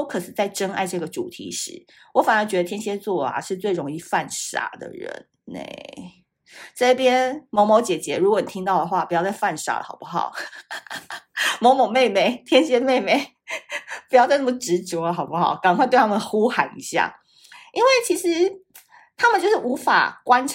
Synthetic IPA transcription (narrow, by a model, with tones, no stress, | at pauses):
o˥kʰɤ˨˩ʂɻ̩˨˩t͡sa˥˩ɪʈ͡ʂə˥ŋa̰˥˧ɪʈ͡ʂɤ˥˩ɡə˩ʈ͡ʂu˨˩t̪ʰḭ˧˥ʂɻ̩˧˥˦ | wɔ˧˥fa˨˩nə˧˥nt͡ɕɥɛ˧˥d̪ə˧t̪ʰjɛ˥nɕjɛ˥t͡swɔ˥˩a̰˨˩ʂɻ̩˥˧t͡swe˥˩ɪɻo˧˥ŋi˥˧fa˥˧nʂa̰˥˩d̪ə̰˩ɻə̰˧˦n | nḛ˥˩ɪ | ʈ͡ʂɤ˥˩˥pjɛ˥nmo˧˥ʊmo˧˥ʊt͡ɕjɛ˨˩t͡ɕjɛ˧˦˥ɻu˧˥kɔ˧˦ni˨˩t̪ʰi˥ŋt̪ɑ˥˩ʊd̪ə˩xwa˥˩pu˧˩jɑ˥˧t͡sa˥˧ɪfa˥˧nʂa̰˧˥ə̰˨ɑ˨˩ʊpu˥xɑ̰˨˩ʊ | mo˧˥ʊmo˨˩ŋme˥˩ɪme˥˩ɪt̪ʰjɛ˥nɕjɛ˥me˥˩ɪme˥˩ɪ | pu˧˥jɑ˥˧t͡sa˥˧nɤ˥˩mə˩ʈ͡ʂɻ̩˧˥t͡sɔ˧˦˧xɑ˨˩ʊpu˥˦xɑ˨˩˦ʊka˨˩ŋkwt̪wt̪ʰa˥mə˨nə˩˧xu˥xa˧˥nḭ˧˥ɕja̰˨˩ | i˥nwe˥˩ɪt͡ɕʰi˧˥ʂɻ̩˧˦ | t̪ʰa˥mə˨nt͡ɕjo˥˧ʊʂɻ̩˥˩ʔu˧˥fa̰˨˩kwa˥nʈ͡ʂʰ